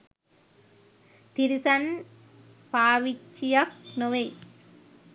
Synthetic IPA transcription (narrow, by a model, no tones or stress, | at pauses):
t̪ɪɾɪsɐn | paːʋɪt͡ʃːɪjɐk̚nɔʋɐɪ